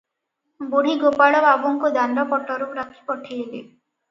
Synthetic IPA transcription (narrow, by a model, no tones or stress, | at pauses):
boɽ̤iɡopaɭɔbabɔŋkud̪ʱanɾɔpɔʈɔɾupɾakʰi̥pɔʈʰielḛ